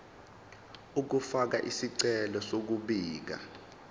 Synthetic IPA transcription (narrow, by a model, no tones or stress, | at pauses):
uk̬ufak̬aʔisiǀɛlɔsok̬uɓiːk̬a̰